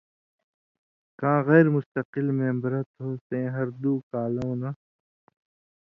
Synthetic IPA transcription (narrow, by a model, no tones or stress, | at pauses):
kãːɣɛːɾmʊst̪ɐqɪlmẽːmbɐɾɐt̪ɦoːsẽːɦɐɾd̪uːkaːlõːna